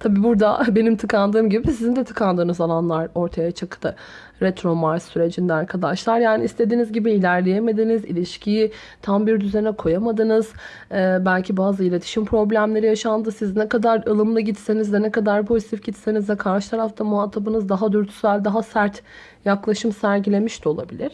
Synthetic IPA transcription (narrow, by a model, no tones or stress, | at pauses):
t̪ʰabiːbuɾd̪abe̞nimt̪ʰɯkʰand̪ɯːmɟibisizind̪ɛt̪ʰɯ̥kʰand̪ɯːnɯzalˠanlˠaɾo̞ɾt̪ʰajat͡ʃʰɯkt̪ɯ | ɾɛt̪ɾo̞maɾsːyɾe̞d͡ʒind̪ɛaɾkʰad̪aʃlˠaɾjaːniːst̪ʰed̪iːnizɟibiːlʲæɾlʲe̞jeme̞d̪inizḭlʲiʃcʰiji | t̪ʰambiɾd̪yzenɛkʰo̞jamad̪ɯnɯz̥ | ɛbælʲcʰibaːzɯilʲe̞t̪ʰi̥ʃimpʰɾo̞blʲæmlʲe̞ɾijaʃand̪ɯsiznɛkad̪aɾɯlˠɯmlˠɯɟit̪se̞nizd̪ɛnɛkad̪aɾpʰo̞zit̪ʰifɟit̪se̞nizvɛkʰaɾʃɯt̪ʰaɾaft̪ʰamuɦat̪ʰːabɯnɯzd̪aɦad̪yɾt̪ʰy̥sælʲd̪aɦasæɾt̪ | jaklˠaʃɯmsæɾɟilʲe̞miʃt̪ʰio̞lˠa̰bilʲiɾ̥